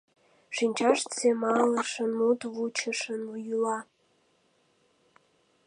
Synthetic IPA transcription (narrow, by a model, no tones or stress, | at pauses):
ʃinʲt͡ɕɑʃt̪t͡semɑləʃə̆nmut̪vut͡ɕʰəʃənujulɑ